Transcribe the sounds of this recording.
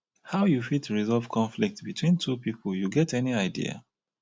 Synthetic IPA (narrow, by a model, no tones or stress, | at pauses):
haʊjufitɹizɔlvkʰɔ̃nflik̚tbitʰwĩntʰupipʰəljuɡɛtɛniaɪdḭa̰